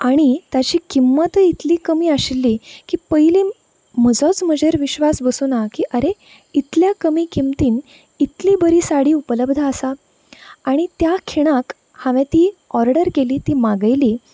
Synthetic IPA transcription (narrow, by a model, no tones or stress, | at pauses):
aɽ̃it̪jat͡ɕiːkimːət̪əit̪liːkəmiːaɕilːiːkiːpəjliː | məd͡zɔt͡sm̤əd͡ʑeɾʋiɕʋasbəsunakiʔəɾe | it̪ljakəmiːkimt̪iːn | it̪libəɾiːsaɽiːupələbd̪ʱəəsaː | ɽ̃it̪jakʰiɽ̃ãk | hãʋẽt̪iːɔɾɖəɾkeliːt̪iːmaɡəjliː